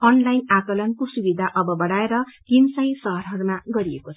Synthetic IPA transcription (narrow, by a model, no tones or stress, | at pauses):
ʌnlajnakʌlʌnkosubid̪ʱaʔʌbʌbʌɽaeɾʌkinsʌjsʌɦʌɾɦʌɾumaɡʌɾiekot͡sʰ